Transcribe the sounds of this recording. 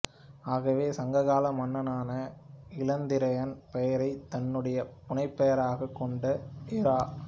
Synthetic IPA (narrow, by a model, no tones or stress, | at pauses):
aːɣɐʋeːsɐŋɡɐɣaːlɐmɐnːɐnaːnɐɪlɐnd̪ɪɾɐjɐnpɛjɐɾɐɪt̪ɐnːɯɽɐjɐpʊnɐɪpːɐjɐɾaːɣɐkːɔɳɖɐɪɾaː